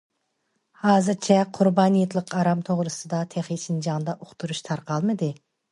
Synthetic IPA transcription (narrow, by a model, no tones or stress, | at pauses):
hɑːzɨɾt͡ʃʰɛqʰʊɾbɑːnijet̪lˠəqʰɑɾɑmt̪ʰoʁɾɨsɨd̪ɑt̪ʰeχjit͡ʃʰind͡ʒɑŋd̪ɑʔoqt̪ʰuɾuʃt̪ʰɑɾqʰɑlˠmɨd̪ɨ